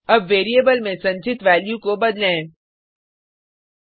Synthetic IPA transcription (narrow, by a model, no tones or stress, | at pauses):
ɐbʋeːɾijebəlmẽsɐ̃ɲt͡ʃɪt̪ʋɛːljũkobɐd̪lẽː